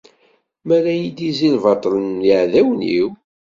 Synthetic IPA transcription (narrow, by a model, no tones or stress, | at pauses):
mæɾæjid̪izilvɑt̪ˤːlənːiʕðæwnḭw